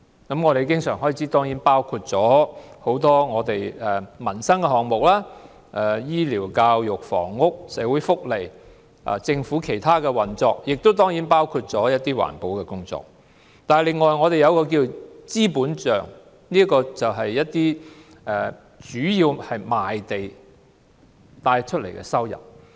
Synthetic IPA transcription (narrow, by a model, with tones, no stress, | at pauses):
kɐ˨˥mŋɔː˨˧ɾe˨˩jkɪ˥ŋsœː˨˩ŋɦɔː˨˥˧t͡sʰi˨˥t̪ɔː˥ŋjiː˨˥npaː˥wkʰu˧t̚t͡sɔː˨˥ho˨˥wt̪ɔː˥ŋɔː˨˧t̪e˨jɛ˨˩mɐ˨˩nsɐ˥ŋkɛ˧hɔː˨ŋmʊ˨k̚laː˥ | ʔɛ˨˩jiː˥liː˨˩wkaː˧wjʊ˨k̚fɔ̰ː˨˩ŋːʊ˥k̚sɛː˨˧˥wuː˨˥jfʊ˥k̚le˨˩j | ʔt͡sɪ˧ŋfu˨˥kʰe˨˩jt̪ʰaː˥kɛ˧wɐ˨˩nt͡sɔː˧k̚jɪ˨k̚t̪o˥wt̪ɔː˥ŋjiː˨˥npaː˥wkʰu˧t̚t͡sɔː˨˥jɐ˥t̚t̪iː˥wa̰ː˨˩npo˨˧˥wkɛː˧kʊ˥ŋt͡sɔ̰ː˨k̚ | t̪aː˨lɪ˨ŋːɔː˨˩jŋɔː˨˧ɾe˨jɐ˨˧wkɔː˧k̬iː˧˨t͡siː˥puː˨˥nt͡ʃœː˨˩ŋ | niː˥kɔː˧t͡sɐ˨wɦɐ˨jːɐ˥t̚t̪iː˥ | ɛ˨˧ | t͡ʃyː˨˥jiː˧whɐ˨jmaː˨jt̪e˨j | t̪aː˧jt͡ʃʰɵ˥t̚lḛ˨˩jkɛ̰˧sɐ˥wjɐ̰˨˩p̚